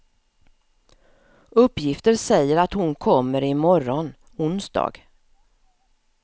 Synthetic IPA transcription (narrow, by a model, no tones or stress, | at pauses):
ɵpːjɪft̪əɾsɛjːəɾat̪hʊnkʰɔmːəɾɪmɔɾɔn | ʊnsd̪ɑ̰ːɡ̥